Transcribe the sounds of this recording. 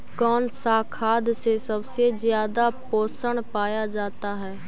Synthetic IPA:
kɔːnsakʰaːd̪sesɐbsezjaːd̪apoːsəɳ̃paːjad͡ʒaːt̪aɦɛː

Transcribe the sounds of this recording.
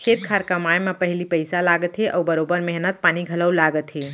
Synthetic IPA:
kʰet̪̚kʰaɾkəmajmepəɦilipəjsalaɡət̪ɦeʔəwbəɾobəɾmɛɦnət̪̚paniɡʱələwlaɡət̪ɦe

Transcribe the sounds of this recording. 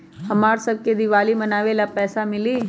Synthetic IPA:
hɐmaːɾsɐb̚ked̪ɪʋaːlimɐnaːʋelapɛːsamɪliː

